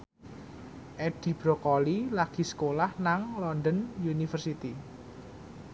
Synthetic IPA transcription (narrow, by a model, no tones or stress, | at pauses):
ʔɛd̥i̤b̥ɾɔkɔlilaɡ̥i̤sə̥kolahnaŋlɔnd̪ənjunifərsit̪i